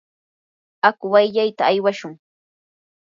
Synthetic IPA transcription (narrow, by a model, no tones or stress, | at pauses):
akʊwajʎajt̪aːjwaʃʊŋ